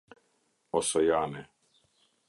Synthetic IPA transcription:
ɔsɔjaːnɛ

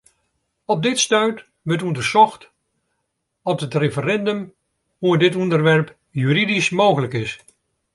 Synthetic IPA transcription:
ɔb̚dɪtstœɥt | ʋətɔndəɹsɔxt | dɑtətrefərɛndəm | huədɪtɔndərʋɛɹp | jyridismowɣələkɪs

